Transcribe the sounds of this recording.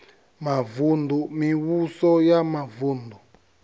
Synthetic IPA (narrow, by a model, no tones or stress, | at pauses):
mavundumiwusɔjamavundu